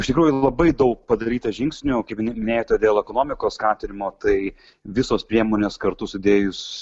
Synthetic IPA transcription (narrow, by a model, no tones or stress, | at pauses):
ɪʃt̪ʲɪkɾuːjʊlˠɐbɐɪd̪ɐʊk̚pɐd̪ɐɾʲiːt̪ɐʒʲɪŋksʲnʲʊkɐɪpmnʲɛmʲɪnʲeːjoːt̪ʲed̪ʲeːlˠɛkoːnoːmʲɪkoːsskɑːt̪ʲɪnʲɪmoːt̪ɐɪ | ʋʲɪsoːspʲɾʲiɛmoːnʲeːskɐɾt̪ʊsʊd̪ʲeːjʊs